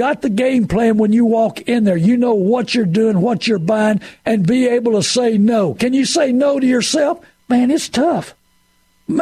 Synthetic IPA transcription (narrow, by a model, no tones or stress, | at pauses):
ɑt̪̚ðɨɡẽɪ̃mpʰl̥æ̃nwə̃njɨwɔkɪ̃nðə˞jɨnoʊwʌt͡ʃə˞dʉɪ̃ŋwʌt͡ʃə˞bãɪ̃nɨ̃nbieɪbl̩ˠtəseɪnoʊkɨ̃njɨseɪnoʊɾɨjə˞sɛlˠf | mæ̃nɨtstʰʌf | m